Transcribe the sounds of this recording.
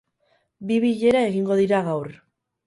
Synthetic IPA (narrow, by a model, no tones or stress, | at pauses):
biβiʎe̞ɾae̞ɣiŋɡo̞ðiɾaɣawɾ